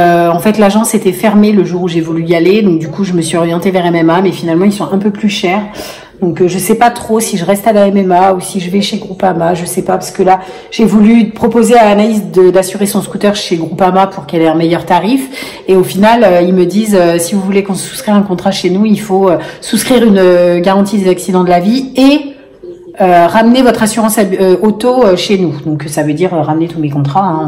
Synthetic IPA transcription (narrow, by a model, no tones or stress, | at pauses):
øɑ̃fɛt̪laʒɑ̃set̪ɛfɛʁmeləʒuʁuʒevulyialed̪ɔ̃k̚d̪ykuʒəməsɥiɔʁjɑ̃t̪evɛʁɛmɛmamɛfinalmɑ̃ilsɔ̃ʔɛ̃pøplyʃɛːʁ | d̪ɔ̃kʒəsɛpat̪χosiʒəʁɛst̪alaɛmɛmausiʒəvɛʃeɡʁupamaʒəsɛpapaʁskəla | ʒ̥evulypχɔpozealanalizd̪əd̪asyʁesɔ̃skut̪œʁʃeɡʁupamapuʁkɛlɛɛ̃mɛjœʁt̪aʁif | eofinaløilməd̪izøsivuvulekɔ̃su̥skχiʁɛ̃kɔ̃t̪χaʃenuilfoøsuskχiʁynøɡaʁɑ̃t̪̬id̪ezaksid̪ɑ̃d̪əlavie | øʁamnevɔt̪χasyʁɑ̃saøot̪oøʃenud̪ɔ̃ksavød̪iʁøʁamnet̪umekɔ̃t̪χaɛ̃